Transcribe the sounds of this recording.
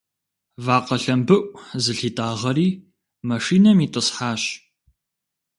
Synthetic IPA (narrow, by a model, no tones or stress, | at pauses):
vaːqɐɬɐmbɨʔʷzɨɬiːtʼaːʁɐɾiː | mɐʂiːnɐmiːtʼɨsħaːɕ